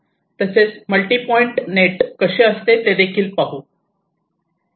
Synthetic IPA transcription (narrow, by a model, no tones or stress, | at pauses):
t̪əset͡sməlʈipɔiɳʈneʈkəɕeəst̪et̪ed̪ekʰiːlpaɦu